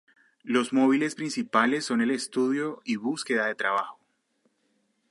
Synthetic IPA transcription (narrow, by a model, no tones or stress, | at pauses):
lo̞zmo̞β̞ile̞spɾinsipale̞sːo̞nele̞st̪uðjo̞iβuske̞ðaðe̞t̪ɾaβaxo̥